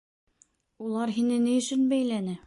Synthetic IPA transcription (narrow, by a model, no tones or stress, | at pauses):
ulˠɑɾɦinɘnijɵ̆ʃɵnbæjlænɘ